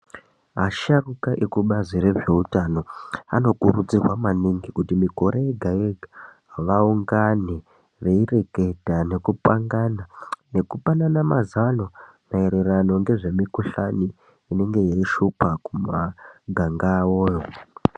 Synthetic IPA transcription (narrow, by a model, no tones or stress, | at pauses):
ɦaʃarukaʔekuɓaziɾe̞ʐe̞utano̞a̰no̞kuɾud͡zirwamaniŋɡikutimiko̞ɾʔejeɡʱajeɡʱa | ʋauŋɡane | ʋe̞ire̞kedʱane̞kupaŋɡanane̞kupananamazano̞naeɾerano̞ŋɡe̞ʐe̞mikuɬaniː | ne̞ŋɡe̞jeiʃupakumaɡʱaŋɡaːoːjo̞